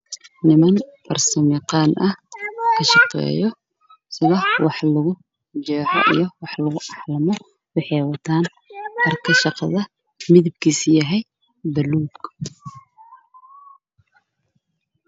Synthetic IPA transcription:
nɪmɐnfɐrsɐmjɪqɑːnʔɐkʰɐʃɑqɛ̰ːjɔ | sɪðɐwɑħlʊɣʊ | t͡ʃɛːħɔ̰ʔḭjɞwɑħlɐɣʊʔɑħlɐmɔ | wɑħɛjwɐt̪ʰaːn | hɐrkʰɐʃɑqɑðɐ | mɪðɪb̚kʰiːsjɐɦɛj | bɐluːɡ

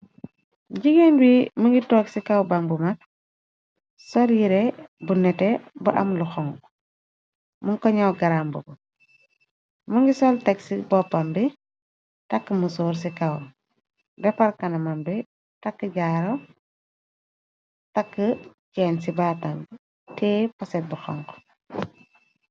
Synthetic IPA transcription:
ɟiɡenwimuŋɡitɔːksikawbaŋbumak̚ | sɔljiɾɛbunɛtɛbuʔɐ̰mluxɔŋ | muŋkɔɲawɡɐɾambubu | muŋɡisɔltɛksibɔpːɐmbi | tɐkːəmusɔːɾs̬ikɐw | dɛpɐɾkɐnɐmambi | takːəɟaːɾɔ | takːəcɛːnsibaːtam | tɛpɐsɛt̚buxɔ̰ŋk

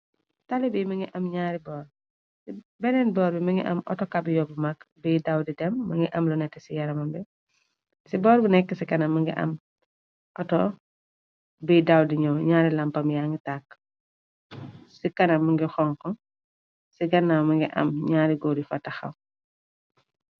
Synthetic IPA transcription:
talibimɐŋɡiʔɐmɲaːɾibɔːɾ | si | bɛnɛnbɔːɾbimɐŋɡiʔɐ̰mʔɔ̰tɔkabjɔbəmakbiːdawdidɛmːɐŋɡiʔɐmlɔnɛtːɛsijɐɾɐmɐmbi | sibɔːɾbinɛkːəsikɐnɐmɐŋɡḭʔɐ̰m | ʔɔtɔ | biːdawdiɲɔɲaːɾilampɐmjaŋɡitakː | sikɐnɐmɐŋɡixɔŋkɔ | siɡɐnːamɐŋɡiʔɐ̰mɲaːɾiɡɔdifatːɐxɐ̰w

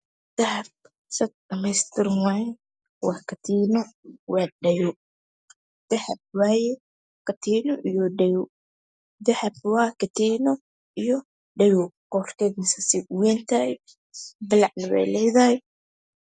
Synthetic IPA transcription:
d̪̥ɐhɐb̚ | sɐt̪̚ɖɐmɛjst̪ʰɪrmwaːjɛ | wɑːkʰɐt̪ʰiːnɔwɑːɖɐjʊ | d̪̥ɐhɐb̚waːjɛ | kɐt̪ʰiːnɔʔijɔɖɛjʊ | d̪ɐhɐb̚wɑːkɐt̪ʰiːnɔ | ijɔ | ɖɐjʊqɔːrkɛːdmɪsɐsɪwɛːnt̪ʰa | bɪlɑʕnɐwɛ̰jlɛjðɐhɛ

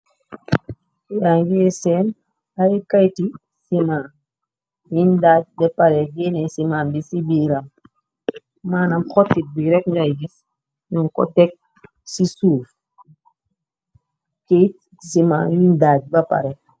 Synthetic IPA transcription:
jaŋɡiɛsɛn | ajikajti | simaː | windad͡ʒ̚dɛpaɾɛɡenɛsimanbisibiːɾam | maːnamxɔtːibiɾɛkɲd͡ʒajɡis | ɲuŋkɔ̰tɛk̚ | sisuːf | ket | sima̰jindaɟ̚bapa̰ɾɛ

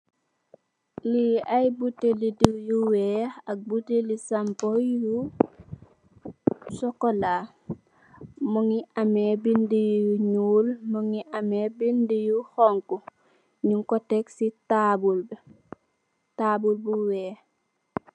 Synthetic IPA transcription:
liajbutelidijuwɛhak̚butelisampoju | sɔkola | muŋiamebindijuɲuːlmuŋiʔamebindijuhoŋku | ɲiŋkoteksitabulb | tabulbuwɛh

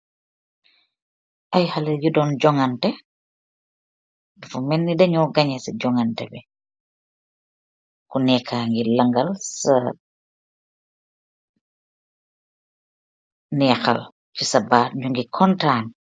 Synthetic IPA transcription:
ʔajhalɛjudɔnd͡ʒɔŋɐntɛ | fumɛnːidɛɲɔːɡaɲɛsɐɟɔŋantɛ̰bɛ | kunɛkʰːaːŋɡilɐŋɡɐlsa | nɛːxa̰l | cisɐbaːɲuŋɡikʰɔntaːn

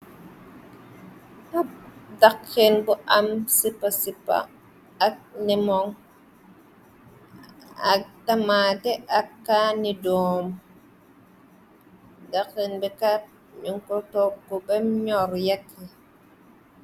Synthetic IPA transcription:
tadakːenbuʔamsipːasipːa̰ː | k̚nimɔŋ | atamatɛʔakːanidɔm | dakenbɛka | ɲuŋkɔtokːɔbɛmɲɔɾjakʰːi

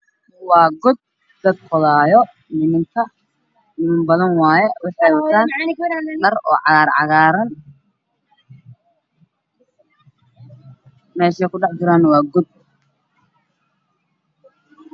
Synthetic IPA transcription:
wɑːɡɔd̪̚ | d̪ɐd̪̚kʰɔðaːjɔ | nɪmɪŋk̪ʰɐ | nɪmɪmbɐðɐnwɑːjɛwɪħɑjwɐɐd̪aː | lɐrɔ̰ːʕɑɣaːɾʕɑ̰ɣaːɾɐn | mɛːʃɛjkʰʊɖɑħd͡ʒɪɾaːnwɑːɡɔd̪̚

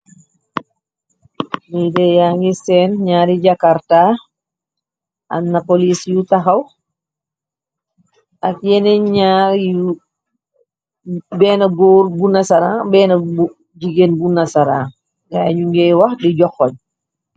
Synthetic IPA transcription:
nidɛjaŋɡisɛːnɲaːɾiɟakaɾta | a̰nːapolisjutaxɐw | ʔak̚jɛnɛɲaːɾj | bɛːnɐɡoːɾbunasaɾabɛːnɐu | ɟiɡenbunasaɾa̰ː | ɡaɲuŋɡɛwaxdiɟɔxɔɲ

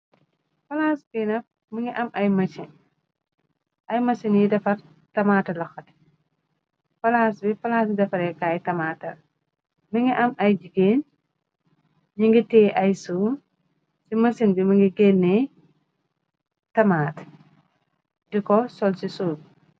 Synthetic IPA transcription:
fɐlaːsbinɐf | miŋɡiʔɐmʔɐjmɐsin | ʔɐjmɐsinjidɐfɐr | tɐmaːtɐlɔxɐt | fɐlaːsbifɐlasdɐfɐɾɛkaːjtɐmaːtɐ | miŋɡiʔɐmʔɐjd͡ʒiɡen | ɲiŋɡitɛːʔɐjsuːn | simɐsinbimɐŋɡiɡenːɛ | tɐmaːt | dikɔsɔlsisuːl

